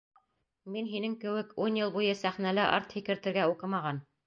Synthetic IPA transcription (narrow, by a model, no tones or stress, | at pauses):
minɦinɘŋkɘ̆wɘkunjɤlˠbujɤsæχnælɘʔɑ̰ɾt̪hikɘ̆ɾt̪ɘ̆ɾɡæuqɤ̆mɑʁɑn